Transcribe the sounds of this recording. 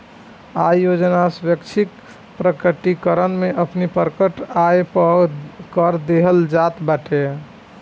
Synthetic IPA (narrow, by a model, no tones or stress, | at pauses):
ajod͡ʒnasbjəkt͡ʃʰik | pɾəkəʈikəɾənmeʔəpnipəɾkəʈaepəkəɾd̪eɦəld͡ʒat̪baʈʰe